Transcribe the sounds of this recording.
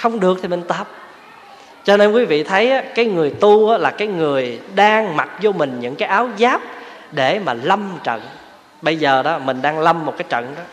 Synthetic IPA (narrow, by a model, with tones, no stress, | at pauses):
xə˧wŋ͡mɗɨ˨˩ək̚t̪ʰi˨˩mï˨˩ŋ̟t̪əː˨˩p̚ | t͡ɕɔ˧ne˧nkwi˨˦vḭ˧˨t̪ʰə˨˦jʔaː˨˦kaː˨˦jŋɨ˨˩əjt̪u˧ʔaː˨˦laː˨˩kaː˨˦jŋɨ˨˩əjɗaː˧ŋma˨˩t̚zɔ˧mï˨˩ŋ̟ɲɨ̰˧˥ŋkaː˨˦jʔaː˨˦wzaː˦˥p̚ | ɗe˧˩maː˨˩lə˧mt͡ɕə̰˧˨n | ɓə˧jzəː˨˩ɗɔ˨˦mï˨˩ŋ̟ɗaː˧ŋlə˧mːo˨˩t̚kaː˦jt͡ɕə̰˧˨nʔɔ˨˦